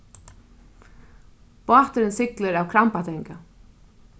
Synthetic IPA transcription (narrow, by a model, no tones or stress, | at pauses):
paht̪ʏɾɪnsɪklɪɾawkʰɾampat̪ʰɛŋka